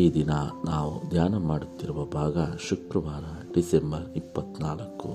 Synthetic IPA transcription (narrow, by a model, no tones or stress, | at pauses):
iːd̪inɐnaːʋud̪ʱjaːnɐmaːɽut̪ːiɾuʋɐbʱaːɡɐʃukɾɐʋaːɾɐɖisembɐɾipːɐt̪naːlɐkːu